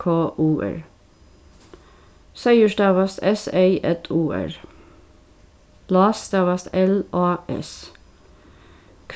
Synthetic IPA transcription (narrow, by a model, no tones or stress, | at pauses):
kʰoːʔuːʔæ̰ɹ | sæɪəʃdɑːʋɑst̪ɛseɪʔɛt̪ʰuːæ̰ɹ | lɑːst̪ɑːʋɑst̪ɛlʔɑːʔɛ̰s | kʰ